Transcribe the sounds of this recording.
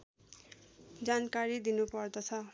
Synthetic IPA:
d͡zankaɾid̪inupʌrd̪ʌt͡sʰʌ

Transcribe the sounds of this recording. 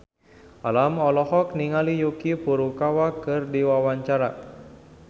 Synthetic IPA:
ʔalamɔlɔhɔk̚niŋalijukipuɾukawakɨrdiwawaɲt͡ʃaɾa

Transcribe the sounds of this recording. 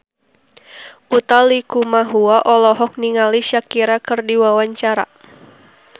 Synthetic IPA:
ʔut̪alikumaɦuaʔɔlɔɦɔk̚niŋaliʃakiɾakɨrdiwawaɲt͡ʃaɾa̰

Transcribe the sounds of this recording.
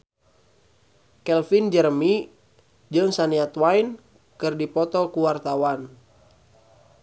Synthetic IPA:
kɛlfind͡ʒərmi | d͡ʒɨŋsaniat̪wain | kɨrdipɔt̪ɔkuwart̪awan

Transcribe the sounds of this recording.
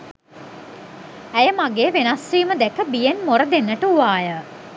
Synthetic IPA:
æjəmaɡeːʋenasʋiːməd̪ækəbijenmoɾəd̪enːəʈəuʋaːjə

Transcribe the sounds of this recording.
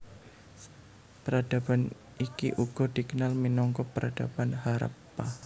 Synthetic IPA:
pəɾada̤ban | ikiʔuɡ̥ɔ̤d̥i̤kənalminɔŋkɔpəɾʔad̥abanɦaɾə̰pːa

